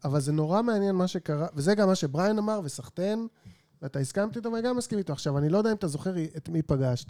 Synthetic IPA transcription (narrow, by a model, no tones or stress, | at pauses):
avalzeno̞ʁameanjenmaʃe̞kaʁavezeɡamːaʃe̞bʁajnamaʁve̞saχt̪e̞n | veat̪aiskamt̪it̪amaɡamːaskimit̪oaχʃavanilojd̪aimatazo̞χe̞ʁietmipaɡaʃt̪